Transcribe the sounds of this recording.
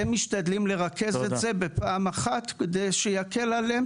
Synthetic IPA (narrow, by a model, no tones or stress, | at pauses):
emiʃt̪ad̪limle̞ʁake̞zeze̞be̞paːmaχat̪ked̪ejʃejake̞lalem